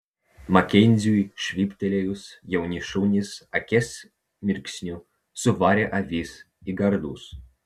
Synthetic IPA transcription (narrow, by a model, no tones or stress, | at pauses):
mɐkʲɛnʲzʲujʃʲʋʲiːpʲt̪ʲɛlʲɛjʊsjɛwnʲiʃunʲɪsɐkʲɛs | mʲɪɾʲksʲnʲʊ | sʊʋaːɾʲɛʔɐvʲiːs | iɡɐɾd̪uːs